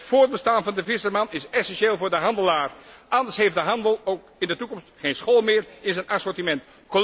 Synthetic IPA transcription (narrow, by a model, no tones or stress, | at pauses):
tfʊːɹd̚bəstaːnvɑndəvɪsəɹmɑnɪsɛsɛnʃeːlˠvʊːɹdəɦɑndəlaːɹʔɑndəɹsɦejfdəɦɑndəlˠowkɪndətukɔmstχejnsχoːlˠmɪːɹɪnzənʔɑsɔɹtimɛnt | ko